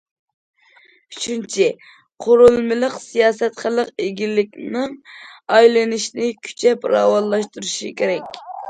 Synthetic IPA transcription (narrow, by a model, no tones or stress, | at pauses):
t͡ʃʰynt͡ʃʰi | qʰoɾulˠmɪlˠəqsijɑːsɛt̪χəlˠəqeɡʲilɪkʲnɪŋɑjlɨnɪʃnɪkʲʰy̥t͡ʃʰɛpɾɑ̰ːwɑlˠlːˠɑʃt̪uɾuʃikʲʰeɾɛkʲ